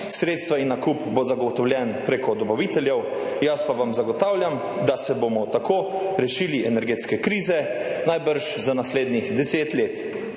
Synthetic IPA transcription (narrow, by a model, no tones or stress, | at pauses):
sɾeːt̪st̪ʋainːakupbozaɡɔt̪ɔwlʲjɛnpɾekɔd̪ɔbaʋit̪ɛljɛw | jaspaʋamzaɡɔt̪aːwlʲjam | d̪asɛbomɔt̪akʰoːɾɛʃiːliʔɛnɛɾɡeːt̪skɛkɾiːzɛnajbəɾʃzanasleːd̪nixd̪ɛseːt̪leːt̪